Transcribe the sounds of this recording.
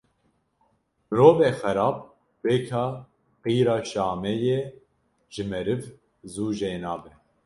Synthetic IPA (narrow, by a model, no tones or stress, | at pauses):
mɨɾoːveːxɛɾɑːb̚ | weːkʰɑː | qiːɾɑːʃɑːmɛjeː | ʒɨmɛɾɨv | zuːʒeːnɑːbɛ